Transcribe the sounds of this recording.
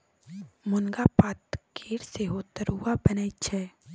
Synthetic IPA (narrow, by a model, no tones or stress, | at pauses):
mʊnɡapaːt̪keːɽseɦoːt̪əɾɦuwabənəit͡ʃʰɛː